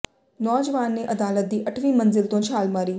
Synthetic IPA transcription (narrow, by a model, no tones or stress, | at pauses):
nɔːd͡ʒəʋaːnːeʔɐd̪aːlət̪̚d̪iːʔɐʈʰʋĩːmənzɪlt̪õt͡ʃʰaːlmaːɾiː